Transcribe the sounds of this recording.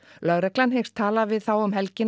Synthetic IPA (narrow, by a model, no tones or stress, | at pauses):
lœɣɾɛklanɦejxst̪ʰːaːlavɪðθawʏmhɛlcɪn